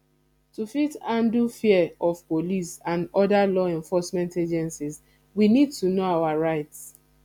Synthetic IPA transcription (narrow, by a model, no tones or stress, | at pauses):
tufitãndufiɛɔfpolisãnɔdalɔɛ̃ɱfɔsmɛ̃nted͡ʒɛ̃nsis | winid̚tunoawaɹaɪts